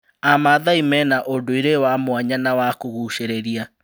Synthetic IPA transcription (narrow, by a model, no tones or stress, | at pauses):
amaðaimɛnaʔondoiɾewamwaɲanawakoɣuːʃeɾeɾia